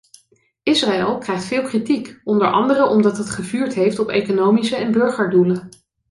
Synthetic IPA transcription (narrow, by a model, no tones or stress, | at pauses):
ʔɪsraɛlˠkrɛjχtfɪːlˠkritikɔndəɹʔɑ̰ndərəʔɔmdɑtɦətχəvyːɹtɦejftɔpḛjkonowmisəɛnbɵɹχəɹdulə